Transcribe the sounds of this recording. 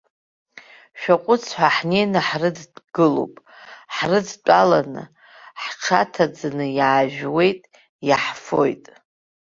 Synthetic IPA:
ʃᶣaqʷʼʊt͡sʰħʷaħnenaħrɨdɡ̥ɨlo̰wpʼ | ħrɨdt͡pʷʼalanɨ̰ | ħt͡ʃʰatʰad͡zanɨjaːʒᶣwe̞jtʼ | jaħfo̞̰jtʼ

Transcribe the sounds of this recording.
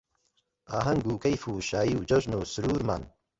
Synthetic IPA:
aːɦɐŋɡuːkɐjfuːʃaːjiwd͡ʒoʒnuːsuɾuːɾma̰ːn

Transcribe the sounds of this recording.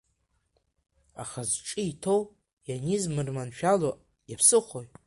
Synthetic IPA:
a̰χazʈ͡ʂʼiitʰo̞w | janizmɨrmanʃᶣaloʔ | japʰsɨχʷoj

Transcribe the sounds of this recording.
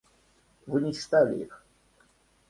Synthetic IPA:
vɨnʲɪst̪alʲɪ̰ḭx

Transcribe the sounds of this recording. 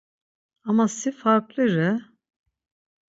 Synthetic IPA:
amasifaɾklˠɯɾɛ

